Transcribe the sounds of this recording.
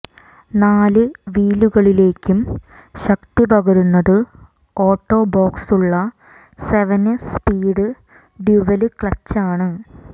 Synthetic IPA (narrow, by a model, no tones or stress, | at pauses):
naːlɨʋiːluɣɐɭile̞ːkʲːum | ɕɐk̚t̪ipɐɣɐɾunːɐðɨ | o̞ːʈːo̞ːbo̞ːksuɭːɐ | seʋɐnspiːɖɨ | ɖiʋɐlɨkɭɐt͡ɕːaːɳɨ